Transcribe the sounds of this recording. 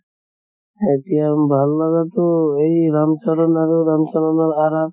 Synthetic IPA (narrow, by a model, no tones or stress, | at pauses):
et̪ijambʱalːaɡat̪oejɾamt͡ʃalɔnaɾeɾamt͡ʃalɔnaɾaɾa